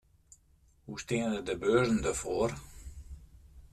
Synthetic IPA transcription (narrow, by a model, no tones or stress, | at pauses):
hustiənədəbøːzən̩dəfoːr